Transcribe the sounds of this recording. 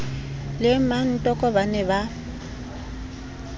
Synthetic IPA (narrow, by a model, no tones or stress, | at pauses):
lɪman̩tʼɔkʼɔbanɛba